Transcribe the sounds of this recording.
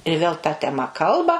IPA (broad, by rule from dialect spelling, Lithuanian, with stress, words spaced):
ɪr ʋʲeːlˠ tɐ tʲɛˈmɐ ˈkɐlˠbɐ